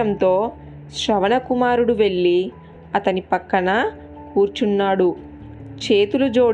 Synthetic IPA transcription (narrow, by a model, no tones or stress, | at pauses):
ɐnt̪o̞ː | ʃɾɐʋɐnɐkumaːɾuɽuʋe̞ɭːi | ɐt̪ɐnipɐkːɐɳɐ | kuːɾt͡ʃunːaːɽu | t͡ʃeːt̪ulud͡ʒo̞ː